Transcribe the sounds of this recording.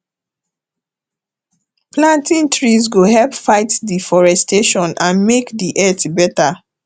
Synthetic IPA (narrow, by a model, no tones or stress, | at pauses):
plãntĩntɹizɡohɛlpfaɪtdifɔɹɛsteʃɔ̃nãnmekdiʔɛtbɛta